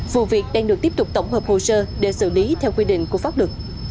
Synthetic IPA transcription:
vṵ˧˨vi˨˩ək̚ɗaː˧ŋɗɨ˨˩k̚t̪i˦˥p̚t̪ʊ˨˩k͡p̚t̪ə˧˩wŋ͡mhəː˨˩p̚ho˧˨səː˧ɗe˧˩sɨ̰˧˩li˨˦t̪ʰɛ˧wkwi˧ɗḭ̈˧˨ŋ̟ku˧˩əfaː˦˥p̚lɨ˨˩k̚

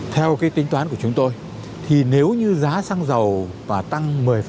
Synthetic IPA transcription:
t̪ʰɛ˧wkaː˨˦jt̪ï˨˦t̪waː˨˦nku˧˩ət͡ɕʊ˨˦ŋ͡mt̪o˧j | t̪ʰi˨˩ne˨˦wɲɨ˧zaː˨˦sa˧ŋzə˨˩wvaː˨˩t̪a˧ŋmɨ˨˩jf

